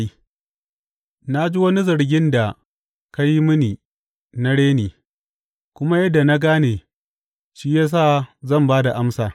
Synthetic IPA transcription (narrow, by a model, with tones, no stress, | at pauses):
i˦ | na˦d͡ʒi˦wɐ˦ni˦zɐ˨ɽɡʲɪ˦nda˨ | ka˦ji˦mʊ˦niː˨ | na˦ɽeː˦niː˨ | kʷʊ˦ma˦jɐ˦dːa˨na˦ɡaː˦neː˨ | ʃiː˦ja˦s̬aː˦˨zɐ˦˨mbaː˦da˨ʔa˦msaː˨